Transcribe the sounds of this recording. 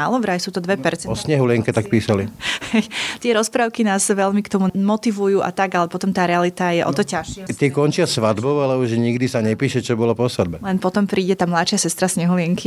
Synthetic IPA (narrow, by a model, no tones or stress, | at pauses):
aːlɔʋɾajsuːt̪ɔd̪ʋɛpɛɾt͡sɛɔsɲɛɦulɪɛŋkɛt̪ak̚piːsalihɛjt̪ɪɛɾɔspɾaːʊkinaːzʋɛʎmikt̪ɔmumɔt̪iʋujuːʔa̰t̪aɡalɛpɔt̪ɔmt̪aːɾɛalit̪ajɛʔɔ̰t̪ɔcaʃt̪ɪɛkɔnt͡ʃɪasʋad̪bɔʊalɛuʒɲiɡd̪isaɲɛpiːʃɛt͡ʃɔbɔlɔpɔsʋad̪bɛlɛnpɔt̪ɔmpɾiːɟɛt̪aːmlaʃɪasɛst̪ɾasɲɛɦulɪɛŋkʰi